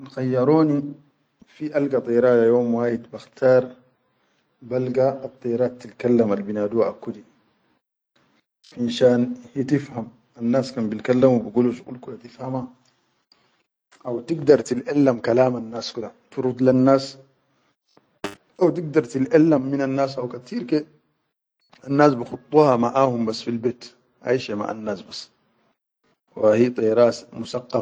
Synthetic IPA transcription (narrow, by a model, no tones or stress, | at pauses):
lxajːɑɾoːni | fiʔalɡat̪ˤijɾaːjajoːmwaːjid̪baxt̪ʰɑːɾˤ | balɡaːt̪ˤːijɾaːt̪ːilkalːamalbinaːd̪uwaʔakːud̪i | ʕinʃaːnhit̪ifham | anːaːskaːmbilkalːamwbiɡuːluʃɡṵlkulat̪ifhama | ʔawt̪iɡd̪ɑɾˤt̪ilʔalːamkalaːmanːaːskid̪at̪uɾud̪lanːaːs | ʔawt̪iɡ̚d̪ɑɾˤt̪ilʔalːamːinanːaːsʔawkat̪iːɾkeː | ʔanːaːs̬bɪxɑt̪ˤːuːhɑmaʔaːhumbasːfilbeːt̪ | ʔa̰ʃama̰ʕa̰nːaːsbasː | wahiːt̪ˤɑjɾaːsmusɑqːɑ